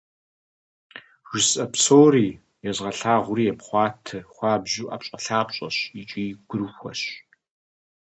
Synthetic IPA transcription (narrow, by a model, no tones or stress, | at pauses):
ʒɪsɐpsoːriː | jɛzʁɐɬaːʁʷʊɾiːjɛpχʷɑːtʰɨχʷɑːbʑuːʔa̰ːpɕʼɐɬaːpɕʼɐ̰ɕit͡ʃʼiːɡʷʊɾxʷɐ̰ɕ